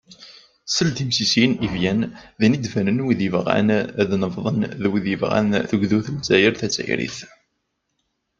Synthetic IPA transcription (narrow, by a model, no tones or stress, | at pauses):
səlt̪imsisinivjænðinid̪fænənwiðivʁa̰nðnəvðˤənðwiðəvʁa̰nθəɡðuθəlt͡sːæjəɾθæt͡sːæ̰jɾḭθ